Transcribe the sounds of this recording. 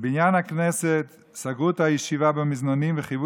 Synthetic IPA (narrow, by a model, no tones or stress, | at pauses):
bɪnjanaknɛsɛt̪ | saɡut̪ajiʃivabɪmɪznanimvɪχivu